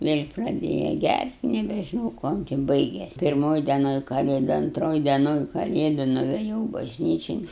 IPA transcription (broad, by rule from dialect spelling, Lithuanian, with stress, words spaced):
ʋʲeːlʲ prɐˈdʲeːjɛ ˈɡʲærʲtʲ nʲɛbʲɛʒʲɪˈnɐʊ ˈkuɔm tʲɪ bɐɪɡʲeːsʲ pʲɪrˈmoːj dʲɛˈnoːj kɐˈlʲeːdʊ ɐnˈtroːj dʲɛˈnoːn kɐˈlʲeːdʊ nʊʋʲɛˈjɛʊ bɐʒʲˈnʲiːt͡ʃʲɪn